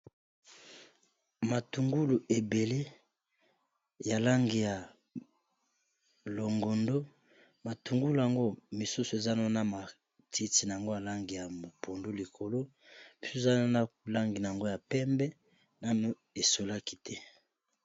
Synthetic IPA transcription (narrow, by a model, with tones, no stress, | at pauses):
ma˨tu˨ŋɡu˦lu˨ʔe˨be˨le˦ | ja˨la˦ŋɡi˨ja˨ | lo˨ŋɡo˨ndo˦ | ma˨tu˨ŋɡu˦lu˨a˨ŋɡo˦mi˨su˦so˨e˨za˦no˦na˦ma˨ | tʰi˨ti˨na˨a˨ŋɡo˦ja˨la˦ŋɡi˨ja˨mo˨pʰo˨ndo˦li˨kʰo˨lo˦ | i˨su˦˨za˦n˦na˦la˦ŋɡi˨na˨a˨ŋɡo˦ja˨pɛ˦mbɛ˦ | na˦nu˨ | e˨so˨la˦ki̥˦tʰɛ˦